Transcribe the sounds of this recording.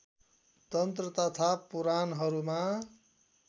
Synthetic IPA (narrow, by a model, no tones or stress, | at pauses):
t̪ʌnt̪rʌt̪ʌt̪ʰapuɾanɦʌɾuma